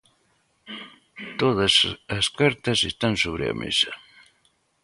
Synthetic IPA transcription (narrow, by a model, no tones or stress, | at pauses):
t̪oðɐsɐskaɾt̪ɐsest̪ansoβɾɪ̰ɐ̰mḛsɐ